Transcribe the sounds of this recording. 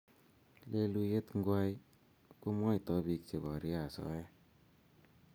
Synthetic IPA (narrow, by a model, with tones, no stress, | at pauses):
le˧lu˧je˦tŋɡwa˧j | ko˦mwa˦jtɔ˦bi˧k̚t͡ʃe˨bɔ˨ɾi˦a˨sɔ̰˦ɛ˦